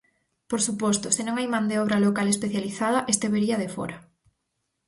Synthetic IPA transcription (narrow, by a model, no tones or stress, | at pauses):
poɾsupɔst̪ʊsenõŋajmand̪eɔβ̞ɾalokalespeθjaliθað̞ɐʔest̪eβeɾiaðefɔ̰ɾa